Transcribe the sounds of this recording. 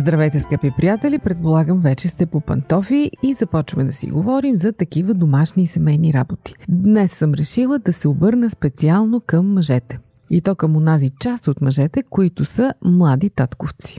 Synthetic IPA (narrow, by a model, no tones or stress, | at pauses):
zd̪ɾɐvɛjt̪ɛskapipɾijat̪ɛlʲipɾɛt̪̚polˠaɡəmvɛt͡ʃɛst̪ɛpopɐ̰nt̪ɔfiizɐpɔt͡ʃvəmɛd̪ɐsḭɡovɔɾimzɐt̪ɐkivəd̪omaʃniːsɛmɛjniɾabot̪i̥d̪nɛsːəmɾɛʃilˠəd̪ɐsɛobɤɾnəspɛt̪sialˠnokəmːɐʒɛt̪ɛ̥ | it̪ɔkəmonazit͡ʃast̪ot̪mɐʒɛt̪ɛkoit̪ʊsəmlˠad̪it̪at̪koft̪si̥